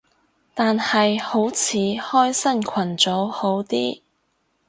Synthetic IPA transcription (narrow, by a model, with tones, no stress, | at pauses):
t̪aː˨nhɐ˨jho˨˥wt͡sʰiː˨˥hɔː˥jsɐ˥˩nkʰɐ˨˩nt͡so˨˥who˨˥wt̪iː˥